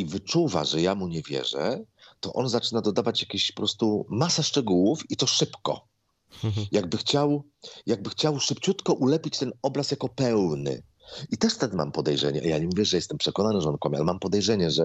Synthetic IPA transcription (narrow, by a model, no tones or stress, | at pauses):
ivɘt͡ʂuva̰ʐɛjamuɲɛvʲjɛ̰ʐɛ̰t̪ɔʔɔnzat͡ʂɘnad̪ɔd̪avat͡ɕjakʲiɕpɔpɾɔst̪umasaʂt͡ʂɛɡuwufit̪ɔʂɘpkɔ̰ | jaɡ̚bɘxt͡ɕaw | jaɡ̚bɘxt͡ɕawʂɘpt͡ɕut̪kɔʔulɛpʲit͡ɕt̪ɛnɔbɾasjakɔpɛwnɘ̰ | it̪ɛʂt̪ɛd̪ma̰mpɔd̪ɛjʐɛ̰ɲɛʔa̰jaɲɛmuvʲjɛʐɛjɛst̪ɛmpʂɛkɔnanɘʐɛɔnkwamʲia̰lɛmampɔd̪ɛjʐɛɲɛʐɛ